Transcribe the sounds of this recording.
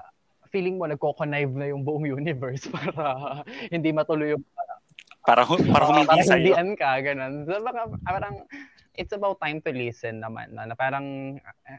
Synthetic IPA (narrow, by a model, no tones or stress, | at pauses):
fiːlɪŋmo̞nɐɡ̚kokonajvnɐjʊŋbʊʔoŋjuːnɪvɛɹspaːɾɐhɪnd̪imɐt̪ʊlojʊŋa | paɾɐɦpaːɾɐʊɐaɐsad̪ɪʔɐnkɐɡɐno̞nsɐmɐŋapaːɾɐŋ | ʔɪt̪sɐbawt̪ːajmt̪ʊlisɛnːɐma̰nːonɐpaːɾɐŋ